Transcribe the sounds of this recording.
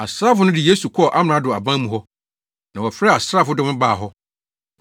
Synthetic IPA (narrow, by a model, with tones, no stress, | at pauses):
a˨sɾaː˦fʊ˦nʊ̃˦dɪ˨je˦su˨kʰɔ˦˨ʔa˦m̃˨ã˨˦dʊ˨a˨bã˦mũ˨ɦɔ˦ | nã˨wɔ˨fɾɛ˦˨a˨sɾaː˦fʊ˦dʊ˦mɪ̃˦baː˨ɦɔ˦